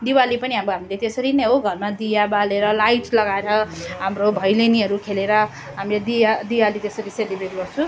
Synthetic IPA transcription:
d̪iwalipʌniɦamboɦamilet̪esʌɾinʌjɦoɡʱʌrmad̪ijabaleɾʌlajʈlʌɡaeɾʌɦamrobʱʌjleniɦʌɾukʰeleɾʌ | ɦamiled̪iad̪iwalit̪esʌɾiselibreʈɡʌrt͡sʰu

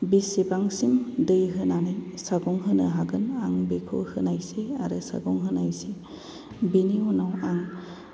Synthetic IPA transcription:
bisibaŋsimdɯjɦɯnanajsaɡɔŋɦɯnɯɦaɡɯnaŋbekʰo̰hɯnajseaɾɯsa̰ɡɔŋɦɯnajse | biniunawaŋ

